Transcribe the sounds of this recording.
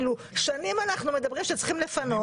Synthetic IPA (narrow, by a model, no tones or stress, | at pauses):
lu | ʃanimanaχnume̞d̪abʁimʃet͡sχimlefano